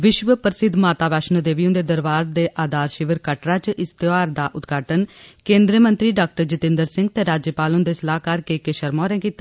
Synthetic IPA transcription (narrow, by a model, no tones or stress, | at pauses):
ʋɪʃʋəpəɾsɪd̪maːt̪aːʋaːʃnõːd̪eːʋijõnd̪eːd̪əɾʋaːɾd̪eːʔaːd̪aːɾʃɪʋəɾkəʈɾaːt͡ʃʔɪst̪ɪʋaːɾd̪aːʔʊt̪ɡaːʈənkẽːnd̪ɾiəmənt̪ɾiːɖaːk̚ʈəɾd͡ʒɪt̪ɪ̃nd̪əɾsɪŋɡt̪eːɾaːd͡ʒjəpaːlõːd̪eːsəlaːkaːɾkeːkeʃəɾmõːɾɛ̃ːkiːt̪ː